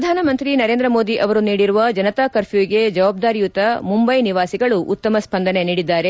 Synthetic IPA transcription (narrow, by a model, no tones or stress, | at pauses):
ɾɐd̪ʱaːnɐmɐnt̪ɾinɐɾeːnd̪ɾɐmo̞ːd̪iʔɐʋɐɾuniːɽiɾuʋɐd͡ʒɐnɐt̪aːkɐɾfuʋiɡe̞d͡ʒɐʋaːb̚d̪aːɾijut̪ɐmumbɐjniʋaːsiɡɐɭuʔṵt̪ːɐmɐspɐnd̪ʱɐne̞niːɽid̪ːaːɾe